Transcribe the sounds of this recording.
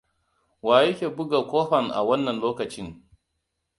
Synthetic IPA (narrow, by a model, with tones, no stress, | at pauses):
waː˨je˦kʲe˨bʊ˦ɡa˨kʷoː˦ɸɐ˨nʔa̰˨wɐ˦nːɐ˨nloː˦kɐ˨t͡ʃɪ˦ŋ